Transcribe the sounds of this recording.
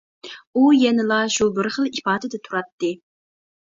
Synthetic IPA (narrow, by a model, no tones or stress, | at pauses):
ujɛnɨlˠɑʃubɪɾχəlˠipɑːd̪ɨd̪ɛt̪ʰuɾɑt̪ːɨ